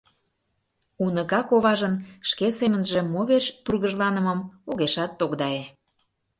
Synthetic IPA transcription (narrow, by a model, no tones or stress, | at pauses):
unəɣɑkoβɑʒənʃkesemənʒe̽moβeʃt̪urɣəʒlɑnə̆mə̆moɣeʃɑt̪ːokd̪ɑe